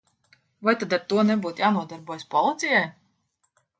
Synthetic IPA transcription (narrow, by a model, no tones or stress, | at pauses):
vajt̪ad̪aɾt̪uɔnɛbuːt̪jaːnuɔd̪aɾbuɔjspɔlˠɨt̪sʲijaj